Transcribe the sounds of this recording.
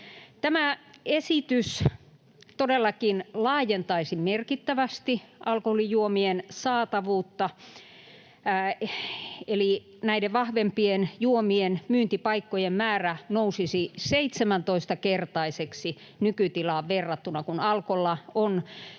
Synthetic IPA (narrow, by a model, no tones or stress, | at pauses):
t̪æmæesit̪ys | t̪odelːɑkinlɑːjent̪ɑisimmerkit̪ːæʋæst̪iʔɑlkoholijuomiensɑːt̪ɑʋuːt̪ːɑ | eli | næiɾeʋʋɑhʋempienjuomienmyːnt̪ipɑikːojemmæːrænousisiseit̪semænt̪oist̪ɑkert̪ɑiseksi | nykyt̪ilɑːʋʋerːɑt̪ːunɑkunɑlkolːɑon